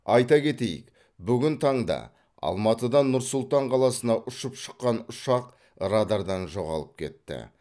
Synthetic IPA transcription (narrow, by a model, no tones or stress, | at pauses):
ɑjt̪ɑkʲe̞t̪e̞jɪ̰k | bʏɡʲɪnt̪ʰɑɴd̪ɑ̰ | ɑ̰lˠmɑt̪əd̪ɑnʊɾsʊlˠt̪ɑɴqʰɑlˠɑsənɑʔʊʃəpʃə̥qːɑnʊʃɑq | ɾad̪ɑɾd̪ɑnʒo̞ʁɑ̰lˠəp̚kʲʰe̞̰t̪ːɪ̰